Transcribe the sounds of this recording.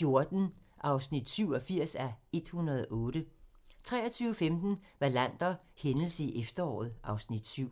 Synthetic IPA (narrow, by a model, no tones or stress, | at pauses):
fjo̝ɐd̥n̩ʔɑ̈ʊsnid̥syʊ̰ɒ̽fiɐ̰sæe̝d̥hunɐð̞ˠɒʔɔ̽ːɾ̥ət͡sʰʁɛ̰ːɐt͡sʰyːʊəfemd̥n̩ʋɑlæn̰d̥ɐhenl̩siʔefd̥ɐɒ̰ːð̞̩ˠʔɑ̈ʊsnid̥syʊ̰